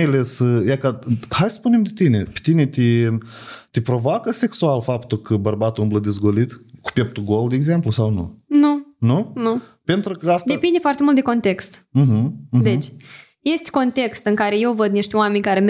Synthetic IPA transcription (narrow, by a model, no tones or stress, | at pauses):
alesjakahajsə̥spunemd̪et̪inepe̥t̪ine̞t̪i | t̪ipɾo̞voakəse̞ksualfapt̪ukəbərbat̪uɨmbləd̪ezɡolit̪ku̥pep̚t̪uɡold̪eːɡze̞mplusawnṵnununu | pe̞nt̪ɾukəastd̪epind̪efoart̪emult̪d̪eko̞nt̪e̞kst̪̩ɦ̩d̪et͡ʃʲ | je̞st̪ʲko̞nt̪e̞kst̪ɨŋkaɾe̞je̞wvəd̪̚niʃt̪ʲʊame̞nʲkaɾem